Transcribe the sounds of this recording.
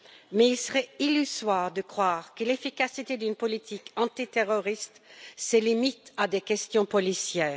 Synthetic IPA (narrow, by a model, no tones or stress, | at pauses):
mɛilsəʁɛilyzwaːʁd̪əkχwaːʁkəlefikasit̪ed̪ynpɔlit̪ʰikɑ̃t̪it̪eʁɔʁist̪selimit̪ad̪ekɛst̪jɔ̃pɔlisjɛːʁ